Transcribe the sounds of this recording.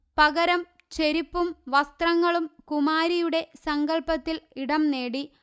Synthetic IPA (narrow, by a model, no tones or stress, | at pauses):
pɐɣɐɾɐm | t͡ɕe̞ɾipːumʋɐst̪rɐŋːɐɭumkumaːɾijuɽe̞sɐŋɡɐɭpɐt̪ːiliɽɐmne̞ːɽi